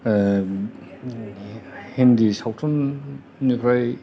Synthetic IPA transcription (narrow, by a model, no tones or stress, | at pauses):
hindisawtʰɔnː | ikʰɾaj